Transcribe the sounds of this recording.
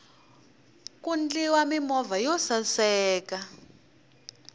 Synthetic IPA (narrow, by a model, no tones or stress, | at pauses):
kund͡ɮiwamimɔvajɔsasɛːka